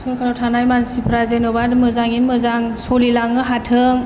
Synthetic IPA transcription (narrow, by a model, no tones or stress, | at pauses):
sokʰaɾotʰanajmansipʰɾazenɯbadmɯzaŋinmɯzaŋsolilaŋɯɦatʰɯŋ